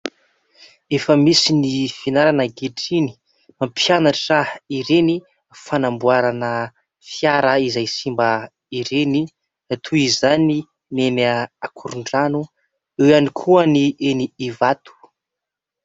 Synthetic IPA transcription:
efəmisinifinaɾanəɡeʈ͡ʂini̥ | mampʰjanaʈ͡ʂraiɾeni | fanambuaɾanə | fjaɾəizajsimbə | iɾeni | at̪ʰuizani | meməakʰuɾuɳɖ͡ʐanu | ewanikʰuənieniivat̪u̥

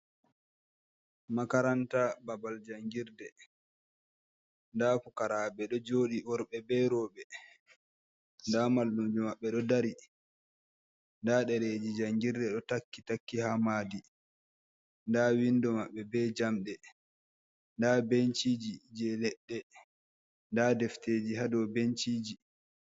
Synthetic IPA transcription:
makaɾantababald͡ʒaŋɡiɾdɛ | ndaːkukaɾabɛɗɔd͡ʒoːɗiwɔɾɓɛbɛɾɔːɓɛ | ndamalːumd͡ʒumaɓːɛɗɔdaɾi | ndaɗɛɾed͡ʒid͡ʒaŋɡiɾdɛɗɔtakːitakːihamaːdi | ndawindɔmaɓːɛbɛd͡ʒamɗɛ | ndabent͡ʃiːd͡ʒid͡ʒɛlɛɗːɛ | ndadɛfteːd͡ʒiɦadɔbent͡ʃiːd͡ʒi

